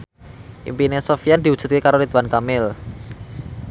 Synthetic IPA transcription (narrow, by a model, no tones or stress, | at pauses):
ʔḭmpinesofijand̪̥i̤wud̥ʒ̥ṳ̥t̪̚kekaɾoɾit̪wankamɪl